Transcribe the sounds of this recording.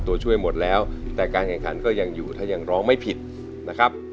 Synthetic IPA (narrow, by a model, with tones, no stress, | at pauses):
t̪u˧ɐt͡ɕʰu˥˩əjmo˨˩t̪̚lɛː˦˥wt̪ɛː˨˩kaː˧nkʰɛː˨˩ŋkʰa˩˦nkɔː˥˩ja˧ŋjuː˨˩t̪ʰaː˥˩ja˧ŋɾɔː˦˥ŋma˥˩jpʰi˨˩t̪̚ | na˦˥kʰa˦˥p̚